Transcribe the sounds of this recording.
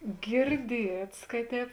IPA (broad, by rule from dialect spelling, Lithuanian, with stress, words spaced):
ɡʲɪrʲˈdʲiɛts kɐ ˈtʲɛːp